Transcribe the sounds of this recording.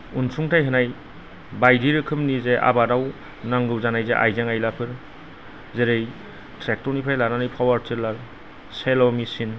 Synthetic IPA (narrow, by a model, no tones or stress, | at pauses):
unsuŋtʰajɦɯnaj | bajdiɾɯkʰɯmnizeʔa̰badaw | naŋɡɯwzanajzeʔa̰jzaŋajlapʰɯɾ | zeɾej | tʰɾek̚tɔɾnipʰajlaɾanajpʰawaɾteɾlaɾ | selɔmisin